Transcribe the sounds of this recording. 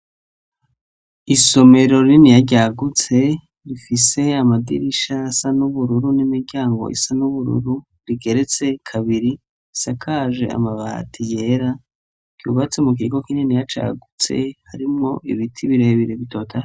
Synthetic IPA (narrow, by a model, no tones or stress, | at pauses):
iso̞me̞ɾo̞ɾininijaɾɟaɡut͡se̞ | ɾifise̞amadḭɾiʃaːsanuβuɾuɾunimiɾɟaːŋɡo̞̰ʔḭsanuβuɾṵɾu | ɾiɡe̞ɾet͡se̞kʰaβiɾi | sakʰaːʒe̞̰a̰maβa̰ːtʰijeɾa | kṵːβat͡se̞muk̬iːɡo̞kininijat͡ʃa̰ɡut͡se̞̰haɾimŋo̞ʔḭβitʰiβiɾeβiɾeβito̞ːtʰaɾ